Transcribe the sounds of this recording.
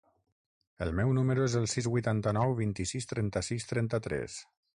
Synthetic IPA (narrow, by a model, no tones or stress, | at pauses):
əlˠmɛwnuməɾuezəlˠsizβujt̪ant̪ənɔwβint̪isist̪ɾɛnt̪əsist̪ɾɛnt̪ət̪ɾɛ̰s